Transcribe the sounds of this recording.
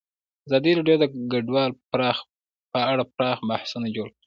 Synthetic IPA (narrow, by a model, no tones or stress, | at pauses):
aɑzɑd̪iɾɑɖjod̪əɡaɖwɑlpɾɑx | pəaɽapɾɑxmahsunad͡ʒoɽ